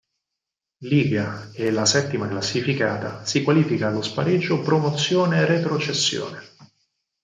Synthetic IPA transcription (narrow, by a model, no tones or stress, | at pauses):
liːvjaelasɛt̪ːimaklasːifikaːt̪asikwaliːfikaːlːospaɾed͡ʒːopɾomot̪sːjoːneːrːet̪ɾot͡ʃesːjo̰ːne